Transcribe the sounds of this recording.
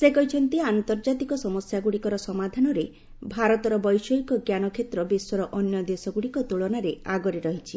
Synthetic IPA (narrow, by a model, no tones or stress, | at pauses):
sekɔɦit͡ʃʰɔnt̪iannt̪ɔɾd͡ʒat̪ikɔsɔmɔsjaɡuɽikɔɾɔsɔmad̪ʱanɔɾe | bʱaɾɔt̪ɔɾɔbɔjsɔɦikɔɡjanɔkʰet̪ɾɔbeswɔɾɔʔɔnjɔd̪esɔɡuɽikɔt̪uɭɔnaɾeaɡɔɾeɾɔɦit͡ʃʰi